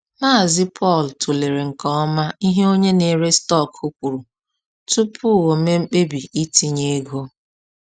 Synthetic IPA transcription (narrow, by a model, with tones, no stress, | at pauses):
maː˦˨zɪ˦pʰɔ˦˨ltʰu˨le˨ɾe˨ŋ̩˨kɔ˦ɔ˦ma˦i˦ɦe˦o˦ɲe˦ne˨ɾe˦stɔ˦˨kʰo˦kʷu˨ɾu˨ | tu˦pʰʊ˦˨wo˨me˦ŋ͡m̩˦k͡pe˦bi˨i˦ti˦ɲe˦ɡo˦